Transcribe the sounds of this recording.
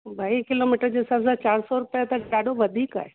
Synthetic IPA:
bʱaːikɪloːmiʈəɾd͡ʑeɪsaːbsãt͡ɕaːɾsɔɾʊpjat̪ɐaːɖʱoʋɐd̪ʱiːka̰ːɦe

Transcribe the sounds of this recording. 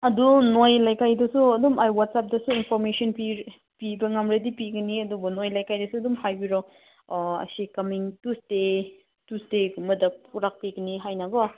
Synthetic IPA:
ɐdunojlajkajdɐsuɐdumajwatsap̚dɐsuinpʰɔɾmesiɔnpi | pibɐŋamɾedipiɡɐniɐdubɐnojlajkajdɐsuɐdumhajbiɾɔ | ɐ̰sikɐmiŋtuste | tusteɡumɐdɐpʰuɾak̚piɡɐniɦajnabɐ

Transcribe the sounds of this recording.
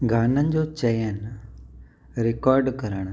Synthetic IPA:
ɡʱaːnənɪ̆d͡ʑot͡ɕɐjən | ɾɪkɔːɾɖkɐɾəɽ̃

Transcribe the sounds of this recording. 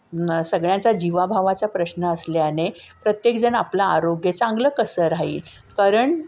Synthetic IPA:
səɡɭjat͡sad͡ʑiʋabʱaʋat͡sapɾəɕnəːsljane | pɾət̪jekd͡zəɳaplaːɾoɡjət͡sãŋɡləkəsəɾaɦḭːl | kaɾəɳ

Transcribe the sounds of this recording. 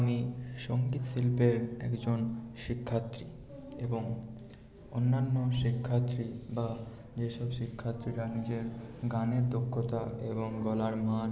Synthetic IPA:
amiʃoŋɡit̪ʃilpeɾɛ̰kd͡ʑonʃikʰːat̪ːɾi | eboŋ | onːanːoʃikʰːat̪ːɾiba | d͡ʑeʃɔbʃikʰːat̪ːɾiɾanid͡ʑeɾɡaneɾd̪okʰːot̪aeboŋɡɔlaɾmaɾ

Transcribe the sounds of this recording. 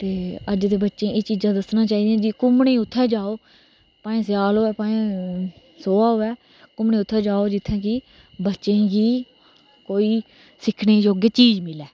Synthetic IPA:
t̪eːəd͡ʒt̪eːbətːʃẽːʔeːt͡ʃiːd͡ʒãːd̪əsnãːt͡ʃaːiːd̪eɛ̃ːd͡ʒiːkʊmɳẽːʊt̪ʰːɛːd͡ʒaːoː | paːẽːsɪjaːloːɛːpaːẽː | soːaːɦoːɛː | kʊmɳẽːʊt̪ʰːɛːd͡ʒaːoːd͡ʒɪt̪ʰːɛ̃ːki | bətːʃẽːɡiː | koːiː | sɪkʰɽeːd͡ʒoːɡeːt͡ʃiːd͡ʒmɪlɛː

